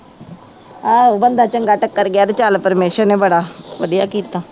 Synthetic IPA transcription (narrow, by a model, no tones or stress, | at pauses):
aːobənd̪ʱat͡ʃəŋɡaːʈəkːəɾɡɪjaːd̪et͡ʃaːlpəɾmeːʃəɾnebɐɽaʋəd̪ijaːkiːt̪aː